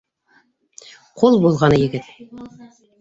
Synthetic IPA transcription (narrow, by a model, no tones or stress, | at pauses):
qʰulˠbulˠʁɑnɤjɘ̆ɡɘt̪